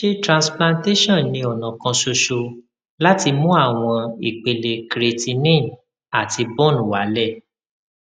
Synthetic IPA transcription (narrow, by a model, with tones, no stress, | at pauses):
ʃe˦tɾã˧splã˧nte˦ʃɔ̃˦˨nnĩ˧ɔ˨nã˨kã˧ʃo˧ʃo˧ | la˦ti˧mũ˦a˦˨w̃ɔ̃˧i˨k͡pe˨le˧kɾe˧ti˧nẽ˦˨m | a˨ti˧bɔ˦˨nũ˨wa˨˦lɛ˦˨